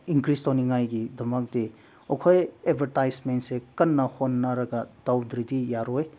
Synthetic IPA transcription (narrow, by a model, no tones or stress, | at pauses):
iŋkɾistoniŋajɡidɐmɐk̚di | okʰojebʱɐɾtajsmentsekɐnːɐhonːɐɾɐɡɐdawdɾidijaɾoj